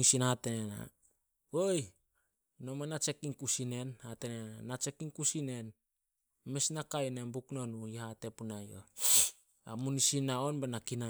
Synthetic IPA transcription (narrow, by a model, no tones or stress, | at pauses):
sinhatenena̰ | oj | nomanat͡ʃe̞kiŋkusine̞nhatenenanat͡ʃe̞kiŋkusine̞n | mesnakajnembukno̞nuihate̞punajo̰ | a̰munisinaonbenakina